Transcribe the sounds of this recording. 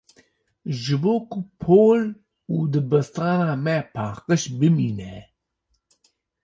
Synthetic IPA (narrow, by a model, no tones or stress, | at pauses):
ʒɨboːkʰupʰoːl | ud̪ɨbəst̪ɑːnaːmɛpʰɑːqəʃbɨmiːnɛ